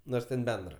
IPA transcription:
ˈnoːrs tʲɛn ˈbʲɛndrɐ

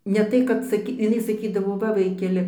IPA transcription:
ˈnʲɛ tɐɪ kɐt sɐˈkʲiː ɪˈnɐɪ sɐˈkʲiːdɐʋoː ˈʋɐ ˈʋɐɪkʲɛlʲɪ

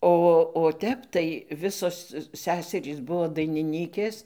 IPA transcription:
ˈoː oː ˈtʲɛp tɐɪ ˈʋʲɪsoːs ˈsʲæːsʲɛrʲiːs ˈbuɔ dɐɪnʲɪˈnʲiːkʲeːs

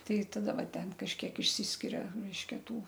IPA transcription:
ˈtɐɪ tɐˈdɐ ˈʋɐ ˈtʲɛn kɐʃʲˈkʲiɛk ɪʃʲˈsʲiːsʲkʲɪrʲɛ ˈrʲɛɪʃʲkʲɛ ˈtuː

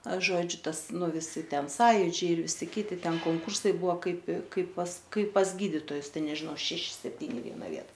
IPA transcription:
ˈɐʃ ˈʒoːd͡ʒʲʊ ˈtɐs ˈnʊ ʋʲɪˈsʲɪ ˈtʲɛn ˈsɑːjʊd͡ʒʲɛɪ ɪr ˈʋʲɪsʲɪ ˈkʲiːtʲɪ ˈtʲɛn koːŋˈkʊrsɐɪ ˈbʊʋoː ˈkɐɪp ˈkɐɪp pɐs ˈkɐɪp pɐs ˈɡʲiːdʲɪtoːjʊs ˈtʲɛn nʲɛʒʲɪˈnoː ɐr ˈʃʲæːʃʲɪ sʲɛpʲˈtʲiːnʲɪ ɪ ˈʋʲiɛnɐ ˈʋʲiɛtɐ

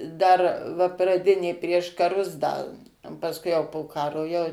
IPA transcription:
dɐr ʋɐ prɐˈdʲɪnʲeː pʲrʲiɛʃ kɐˈrʊs ˈdɐ oː pɐsˈkʊɪ jɛʊ poː ˈkɑːroː ˈjɛʊ

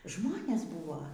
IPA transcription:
ˈʒmoːnʲɛs ˈbuːʋoː

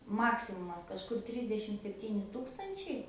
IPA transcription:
ˈmɑːksʲɪmʊmɐs kɐʃˈkʊr ˈtʲrʲɪzʲdʲɛʃʲɪm sʲɛpʲˈtʲiːnʲɪ ˈtuːkstɐnʲt͡ʃʲɛɪ

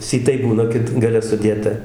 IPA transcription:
sʲiːˈtɐɪ ˈbuːnɐ ˈkʲɪt ɡɐˈlʲɛ sʊˈdʲeːtɐ

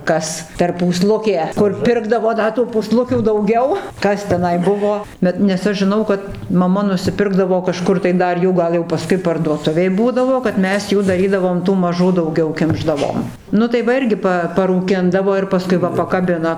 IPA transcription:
ˈkɐs pʲɛr puːˈslˠʊkʲeː ˈkʊr ˈpʲɪrɡdɐʋoː ˈdɐ tuː puːˈslˠʊkʲuː dɐʊˈɡʲɛʊ ˈkɐs tʲɛˈnɐɪ ˈbʊʋoː ˈbʲɛt nʲɛs ˈɐʃ ʒʲɪˈnɐʊ kɐt mɐˈmɐ nʊsʲɪˈpʲɪrɡdɐʋoː kɐˈʃkʊr tɐɪ ˈdɐr ˈjuː ˈɡɐlˠ jɛʊ pɐˈskʊɪ pɐrduɔˈtʊʋʲeːj ˈbuːdɐʋoː kɐt ˈmʲɛs ˈjuː dɐˈrʲiːdɐʋoːm tuː mɐˈʒuː dɐʊˈɡʲɛʊ ˈkʲɪmʒdɐʋoːm ˈnʊ tɐɪ ˈʋɐ ˈɪrʲɡʲɪ pɐ pɐrʊˈkʲɪndɐʋoː ɪr pɐˈskʊɪ ʋɐ pɐkɐˈbʲɪnɐ

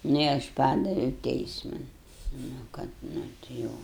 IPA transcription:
ˈnʊ ɪ ˈɐʃ ˈpɑːdɐʋʲɛʊ ˈtʲɛɪsmɐn nʊ ˈkɐt ˈnʊ tʲɪ ˈjɛʊ

